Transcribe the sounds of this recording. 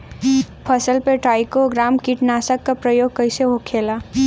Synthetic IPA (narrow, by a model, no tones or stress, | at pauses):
pʰəsəlpeʈaːɪkoɡɾamkiʈnasəkːapɾəjoɡ̚kəɪseɦokʰela